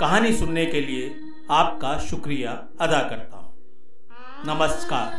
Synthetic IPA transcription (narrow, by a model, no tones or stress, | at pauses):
kɐɦaːnisʊnnekelie | aːp̚kaʃʊkɾija | ɐd̪akɐɾt̪a̰ɦũː | nɐməskaːɾ